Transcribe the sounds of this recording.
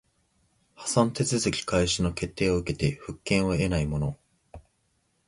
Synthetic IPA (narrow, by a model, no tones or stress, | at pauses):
hḁsãnt̪e̞t͡sɨzɨkʲi̥kaiɕino̞ke̞t̪ːe̞ːoɯ̟ke̞t̪e̞ɸɯ̟kːẽ̞ɰ̃o̞e̞naimo̞no